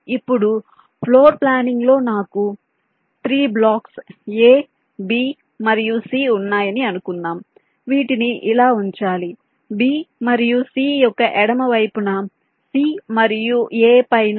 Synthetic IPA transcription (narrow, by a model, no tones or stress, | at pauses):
ipːuɽu | pʰlo̞ːɾplaːniŋɡlo̞ːnaːku | t̪ɾiːblaːkseː | biː | mɐɾijusiːunːaːjɐniɐnukunːaːm | ʋiːʈiniʔilaːuɲt͡ʃaːli | biːmɐɾijusiːjɔkːɐʔɛɽɐmɐʋɐjpunɐ | siːmɐɾijueːpɐjn